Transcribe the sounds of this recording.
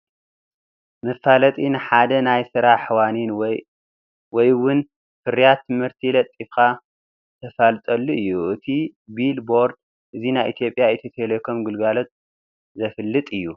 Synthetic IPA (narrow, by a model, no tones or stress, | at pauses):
mɨfːalɐt̪ʼinɨħad̪ɐnajsɨɾaħwanin | wɔjwʊn | fɨɾjat̪ʰːɨmhɨɾt̪ʰilɐt̪ʼːifka | t̪ʰɐfalt̪ʼɐlːuɨjːuʔɨt̪ʰibilbo̞ɾd̪̚ | ʔɨzinajʔit̪ʰjo̞pʼjajɛt̪ʰɐt̪ʰelekʰomɡɨlɡalo̞t̪̚ | zɐfɨlːɨt̪ʼɨjːu